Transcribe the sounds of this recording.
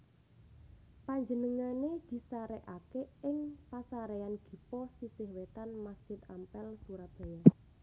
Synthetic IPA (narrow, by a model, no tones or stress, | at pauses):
paɲd͡ʒənəŋaned̪̥i̤saɾɛʔakeɪŋpasaɾɛanɡ̥i̤pɔsisɪhwet̪anmasd̥ʒ̥ɪt̪̚ampɛlsuɾab̥a̤ja